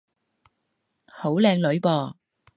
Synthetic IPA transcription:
ho˨˥wlɛː˧ŋlɵ˨˧˥ɥpɔː˧

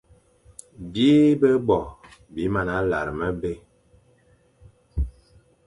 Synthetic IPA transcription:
bji˦bə˦bɔ˨bi˨˦ma˨na˨˦la̰˨ɾə˨mə˦be˦˨

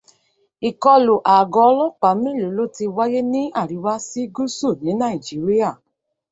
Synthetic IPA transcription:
i˨kɔ˧lo˨ʔa˨ɡɔ˨˦ɔ˧˦lɔ˦k͡pa˨˦m˦ĩ˦lo˨˦lo˦˨ti˧wa˦je˦nĩ˦a˦˨ɾi˨˦wa˦si˦ɡu˦su˦˨nĩ˨˦nã˦˨i˨d͡ʒi˨˦ɾi˦a˦˨

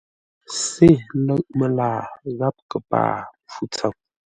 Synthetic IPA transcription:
se˦˨lə˦ʔ̚mə˨laː˨ɣa˦p̚kə˨pa̰ː˨p͡fu˦t͡sə˨m̚

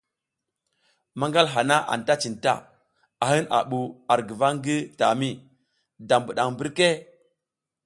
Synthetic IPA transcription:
ma˦ŋɡa˦lɦa˨na˦ʔa̰˨n˨ta˦t͡ʃi˨nta̰˦˨ | a˨ɦi˦na̰˨ɓu˨a˨ɾɡi˨va˦ŋ˦ɡi˦ta̰˨mi˦ | da˨mbu˨ɗa˨ŋbi˦ɾke˦

